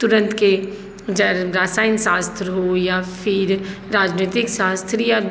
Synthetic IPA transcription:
t̪ʊɾə̃nt̪ke | d͡ʒɐɾaːsaːɪnsaːst̪ʰɾɦojafɪɾ | ɾaːd͡ʒnet̪ɪksaːst̪ʰɾija

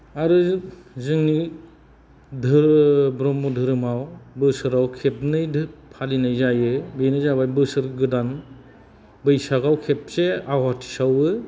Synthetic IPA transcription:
aɾɯzɯŋni | dʱɯɾbɾɔmɔdʱɯɾɯmawbɯsɯɾawkʰep̚nɯjdɯpʰalinajzajɯbɯjnɯjzabajbɯsɯɾɡɯdan | bɯjsaɡawkʰep̚seawɦatʰi̥sawɯ

